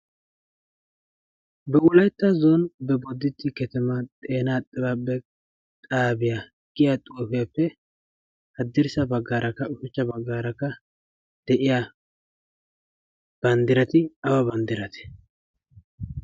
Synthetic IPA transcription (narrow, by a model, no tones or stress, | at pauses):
bɛwʊlɐjt̪ːazonbɛbɔd̪ːɪt̪ːɪkɛt̪ɛmɐt̪ʼeːnaːt̪ʼːɪbabɛ | t̪ʼaːbɪja | ɡ̥ɪjat̪ʼoːfɪjapːɛ | hɐd̪ːɪɾsɐbɐɡːaːɾʔɐkːɐʊfɪt͡ʃːɐbɐɡːaːɾɐkːɐ | d̪̥ɛʔɪja | b̥ɐnd̪ɪɾɐt̪ɪɐwɐbɐnd̪ɪɾɐt̪ɛ̥